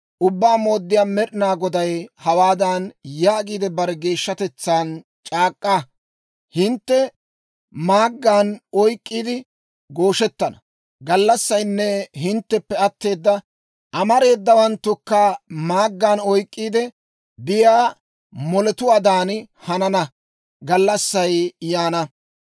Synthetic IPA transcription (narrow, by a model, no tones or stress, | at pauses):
ʔʊbːaːmo̞ːd̪ːɪjaːmɛɗɪnaːɡɔd̪ɐjhɐwaːd̪aːnjaːɡiːd̪ɛbɐɾɛɡe̞ːʃːɐt̪ɛt͡sːaːn | t͡ʃʼaːkʼːa | hɪnt̪ːɛ | maːɡːaːnɔjkʼːiːd̪ɪ | ɡo̞ːʃɛt̪ːɐnɐ | ɡɐlːɐsːɐjnːɛɦɪnt̪ːɛpːɛɐt̪ːe̞ːd̪ːɐ | ʔɐmɐɾe̞ːd̪ːɐwɐnt̪ːʊkːaːmaːɡːaːnɔjkʼːiːd̪ɛ | b̪ɪjaː | mɔlɛt̪ʊwaːd̪aːn | hɐnɐnɐ | ɡɐlːɐsːɐjjaːnɐ